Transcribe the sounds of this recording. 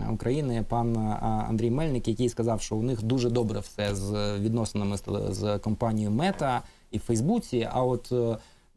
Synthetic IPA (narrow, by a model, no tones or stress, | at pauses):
ʊ̰kɾɐjinɪpɑnɐ̰nd̪ɾʲijmɛlʲnɪkjɐkɪjskɐzɑwʃt͡ʃɔʊnɪxd̪uʒɛd̪ɔbɾɛwsɛzʋʲid̪nɔsenɪmɪzkɔmpɑnʲijmɛt̪ɐ | ifɛjzbut͡sʲiɐ̰ɔt̪